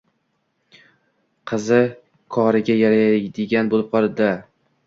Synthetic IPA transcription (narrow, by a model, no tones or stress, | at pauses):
qʰɨzɪ | kʰɒɾɪɡʲajaɾad̪ɪɡʲanbolˠɪp̚qʰɒlˠɪd̪a